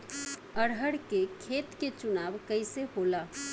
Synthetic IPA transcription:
əɽɦəɽkekʰeːt̪ket͡ʃʊnaːʋkəɪseɦola

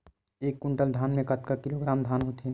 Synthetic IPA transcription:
eːkːʊɳʈəld̪ʱaːnmẽkɐt̪kakɪloɡɾaːmd̪ʱaːnɦot̪ʰe

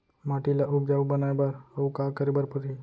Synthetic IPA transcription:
maʈilaʔubɡaʋbənajbaɾaukakəɾebəɾpət̪ʰi

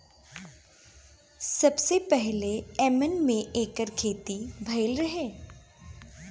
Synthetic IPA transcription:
sɐbsepɛɦleɛːmənmẽʔeːkəɾkʰeːt̪ibʱɐɪlɾɐɦeː

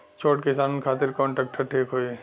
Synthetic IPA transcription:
t͡ʃʰoːʈkɪsaːnnkʰaːt̪ɪɾkɔ̃ːɳʈɾɛːk̚ʈəɾʈʰiːkɦoːi

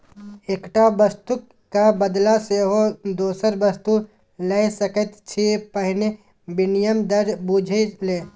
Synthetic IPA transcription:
eːkʈabəst̪ukː | kːabəd̪laseːɦod̪oːsəɾbəst̪u | lɐjsəkət̪t͡ʃʰipəɦne | bɪnɪjəmd̪əɾbud͡ʒʱeleː

